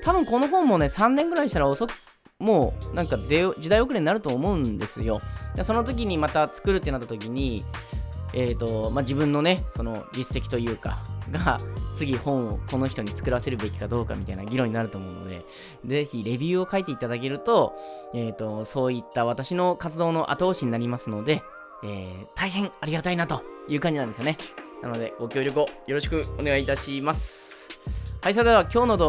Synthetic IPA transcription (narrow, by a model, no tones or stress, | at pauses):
t̪ʰabɯ̟̃ŋko̞no̞ɦõ̞mːo̞ne̞sãnːẽ̞ŋɡɯ̟ɾaiɕi̥t̪aɾaoso̞k | moːnãŋkad̪eʑid̪aio̞k̬ɯɾe̞ɲ̟inaɾɯ̟t̪o̞ːmo̞ɯ̟̃nd̪e̞sɨjo̞d̪aso̞no̞t̪̬o̞k̬ʲiɲ̟imat̪at͡sɨ̥kɯ̟ɾɯ̟t̪ːenat̪ːḁt̪o̞kʲiɲ̟i | eːt̪o̞mad͡ʑibɯ̟̃nːo̞ne̞so̞no̞d͡ʑisːe̞kʲi̥t̪o̞jɯ̟ːka̰ɡat͡sɨɡʲihõ̞ɰ̃o̰ko̞no̞çi̥t̪o̞ɲ̟it͡sɨ̥kɯ̟ɾase̞ɾɯ̟be̞kʲi̥kad̪o̞ːka̰mʲit̪ainaɡʲiɾõɲ̟inaɾɯt̪o̞ːmo̞ɯ̟no̞̰d̪e̞̰ | d͡ze̞çiɾe̞bʲɨɯːo̞kait̪e̞it̪ad̪ak̬e̞ɾɯ̟t̪o̞eːt̪ːo̞so̞ːit̪ːaβ̞at̪aɕino̞kat͡sɨd̪o̞ːno̞ʔa̰t̪o̞ːɕiɲ̟inaɾʲimasɨno̞d̪e̞ | eːt̪aiɦẽ̞ŋ̃aɾʲiɡat̪ainat̪o̞jɯ̟ːkaɲd͡ʑinãnesjo̞ne̞na̰no̞d̪e̞ɡo̞kʲo̞ːɾʲjo̞k̬ɯ̟o̞jo̞ɾo̞ɕ̬i̥kɯ̟one̞ɡait̪aɕimasɨ̥ | hais̬ad̪eβakʲo̞ːno̞d̪o